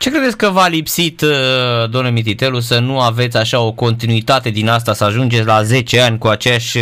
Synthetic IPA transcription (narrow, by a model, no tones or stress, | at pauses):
t͡ʃe̞kɾe̞d̪esʲkəvalipsit̪d̪oamnlemit̪it̪e̞lusənuave̞t̪sʲaʃao̞ko̞nt̪inuit̪at̪e̞d̪inas̬t̪asəaʒund͡ʒet̪sʲlaze̞t͡ʃe̞anʲkuat͡ʃejaʃʲ